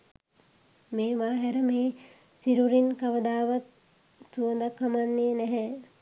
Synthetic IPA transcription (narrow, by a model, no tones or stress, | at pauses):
meːʋaːɦɛɾəmeː | siɾuɾinkɐʋəd̪aːʋɐt̪ | suʋəd̪akːamanːenɛɦɛ